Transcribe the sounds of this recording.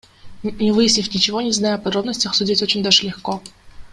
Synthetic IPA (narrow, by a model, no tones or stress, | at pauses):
nʲɪvɨjɪsʲnʲɪfʲnʲɪt͡ɕɪvonʲɪznajʊɐpɐd̪ɾo̞bnəsʲtʲəxsʊdʲitʲot͡ɕɪnʲd̪aʐɨlʲɪxko